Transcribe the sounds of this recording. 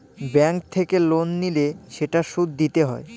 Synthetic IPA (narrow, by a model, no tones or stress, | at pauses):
bɛŋk̚t̪ʰekelonːileʃeʈaʃud̪ːit̪eɦɔe